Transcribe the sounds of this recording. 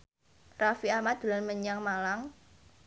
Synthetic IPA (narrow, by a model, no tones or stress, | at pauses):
rafiamad̪̥ṳlanməɲaŋmalaŋ